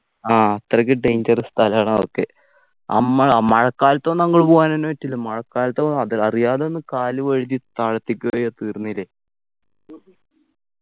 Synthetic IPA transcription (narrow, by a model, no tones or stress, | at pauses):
aːɐt̪ːrɐk̬ʲːɨɖejɲd͡ʑɐrɨst̪ʰɐlɐaːɳɐokːe̞̰ | ɐ̰mːɐɭamɐɻɐkːaːlɐt̪ːonːɐŋːɐɭpoːɣaːnonːuʋɐtːilːɐmɐɻɐkːaːlɐt̪ːonːɐðiɐrijaːðeonːɨkaːlɨʋɐɻiðit̪ɐɻɐt̪ːikʲːuɣɐjoːt̪iːrnːilːe